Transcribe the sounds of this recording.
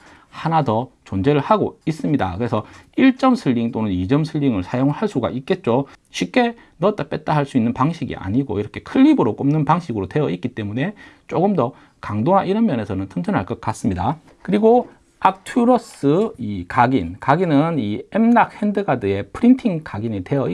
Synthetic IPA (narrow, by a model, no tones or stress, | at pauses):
hanadʌt͡ɕond͡ʑe̞ɾɯɭhaɡois͈ɯmɲida̰kɯɾesʰʌiɭt͡ɕ͈ʌmsʰɯʎːiŋt͈onɯnid͡ʑʌmsʰɯʎːiŋɯɭsʰajoŋɯɭhaɭs͈uɡa̰ʔik͈e̞t̚t͡ɕ͈o | ɕʰip̚k͈e̞ | nʌt͈ap͈e̞t̚t͈aɦaɭs͈uinːɯnpaŋɕʰiɡḭʔa̰ɲiɡo̰iɾʌkʰe̞kʰɯʎːibɯɾok͈omnɯnpaŋɕʰiɡɯɾotwe̞jʌik͈it͈e̞mune̞t͡ɕ͈oɡɯmdʌ | kaŋdoŋɦaʔiɾʌmjʌne̞sʰʌnɯntʰɯnd͡ʑʰʌnɦaɭk͈ʌt̚k͈as͈ɯmɲida | kɯɾiɡo | ak̚tʰuɾʌs͈ɯikaɡinkaɡinɯniemnak̚hendɯɡadɯe̞pʰɯɾintʰiŋkaɡinite̞ʌi